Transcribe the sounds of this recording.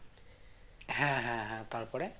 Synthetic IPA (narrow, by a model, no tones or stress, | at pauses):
hãɦãɦãt̪aɹpɔɹɛ